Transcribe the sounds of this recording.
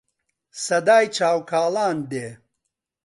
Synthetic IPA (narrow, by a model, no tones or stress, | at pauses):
sɐd̪aːjt͡ʃʰaːwkʰaːlaːnd̪eː